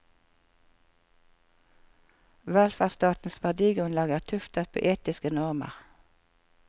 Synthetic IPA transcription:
ʋælfæʁst̪ɑːt̪n̩sʋæʁd̪iːɡʁʉnlɑːɡəːʁt̪ʰʉft̪ətpʰo̰ːʔeːt̪ɪskənɔʁmə̰ʁ

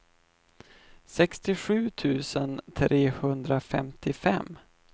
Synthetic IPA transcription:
sɛkst̪ɪɧʉ̟ːt̪ʰʉ̟ːsənt̪ʰɾʔeːhɵnd̪ɾafɛmt̪ɪfɛ̰mː

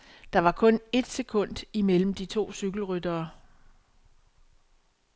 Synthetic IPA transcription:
d̥ɑ̈ʋɑ̈kʰɔ̽ne̝d̥se̝kʰɔ̽n̰d̥imel̰m̩d̥it͡sʰo̝̰ːsyɡ̥l̩ʁyd̥ɐː

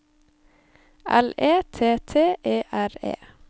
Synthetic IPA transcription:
ʔæ̰leːt̪ʰeːt̪ʰeːʔeːʔæɾḛː

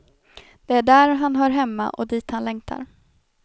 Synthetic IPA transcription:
d̪̥ɛæɖæɾɦanɦœːɾɦɛmːa̰ʔɔ̰d̪iːt̪hanlɛŋt̪ʰa̰ɾ

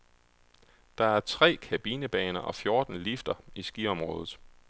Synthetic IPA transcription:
d̥ɑ̈æɐt͡sʰʁɛ̰ːkʰæb̥iːnəb̥ɛːnɐʔɒ̽fjo̝ɐd̥n̩lifd̥ɐisɡ̥iɒ̽mʁɔ̽ːðˠð̩ˠ

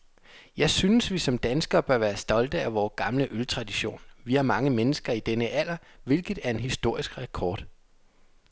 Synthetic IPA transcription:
jɑ̈ɪsynəsʋisɒ̽md̥ænsɡ̥ɐb̥ɶɐʋæːɐsd̥ɒ̽ld̥əæʋɒːɡ̥ɑ̈mləʔølt͡sʰʁɑ̈d̥iɕo̝̰ːnʋihɑ̈mɑ̈ŋəmenəsɡ̥ɐid̥enəʔæl̰ɐʋe̝lɡ̥ð̩ˠæɐe̝nɦisd̥o̝ɐ̰isɡ̥ʁɛkʰɒ̰ːd̥

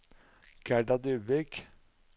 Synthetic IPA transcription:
ɡ̥æɖɑd̪ʉːbɪk

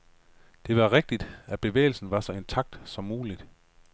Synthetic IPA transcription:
d̥e̝ʋɑ̈ʁeɡ̥̚d̥id̥æb̥e̝ʋḛːɪl̩sn̩ʋɑ̈sɒ̽e̝nt͡sʰɑ̈ɡ̥̚d̥sɒ̽mːuːlid̥

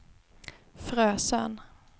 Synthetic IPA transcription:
fɾøːsə̰n

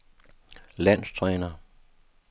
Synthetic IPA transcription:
læn̰st͡sʰʁɛːnɐ

